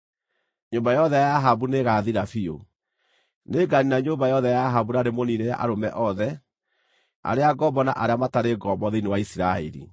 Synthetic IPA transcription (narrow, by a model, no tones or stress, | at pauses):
ɲoːmbajɔðɛjaaɦabuneɣaːðiɾafio | neɡaninaɲoːmbajɔðɛjaːɦaβunaɾemoniɾeɾa̰ʔaɾomɛʔɔðɛ | a̰ɾeaɡɔbɔna̰ʔaɾeamataɾeɡɔbɔðeinewaisiɾaɛ̰ɾḭ